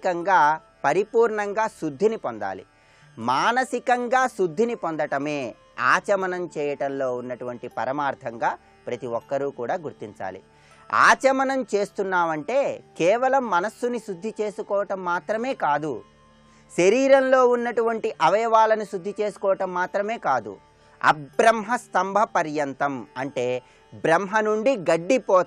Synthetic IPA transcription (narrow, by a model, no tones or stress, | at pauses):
kɐŋɡaː | pɐɾipuːɾɳɐŋɡaːsud̪ʱːinipɔnd̪a̰ːlḭ | maːnɐsikɐŋɡaːsud̪ʱːinipond̪ɐʈɐme̞ː | a̰ːt͡ʃɐmɐnɐmt͡ʃɛːjɐʈɐnlo̞ːunːɐʈuʋɐɳʈipɐɾɐmaːɾt̪ʰɐŋɡaː | pɾɐt̪iɔkːɐɾuːkuːɽaːɡuɾt̪iɲt͡ʃa̰ːlḭ | a̰ːt͡ʃɐmɐnɐmt͡ʃe̞ːst̪unːaːʋɐɳʈe̞ːkɛːʋɐlɐmːɐnɐsːuniʃud̪ʱːit͡ʃe̞ːsukɔːʋɐʈɐmːaːt̪ɾɐme̞ːkaːd̪u | ʃɐɾiːɾɐnlo̞ːunːɐʈuʋɐɳʈiʔɐʋɐjɐʋaːlɐnuʃud̪ʱːit͡ʃe̞ːsu̥kɔːʋɐʈɐmːaːt̪ɾɐme̞ːkaːd̪ṵ | ɐ̰bɾɐmɦɐst̪ɐmbʱɐpɐɾjɐnt̪ɐmɐɳʈe̞ː | bɾɐmɦɐnuɳɖiɡɐɖːipɔː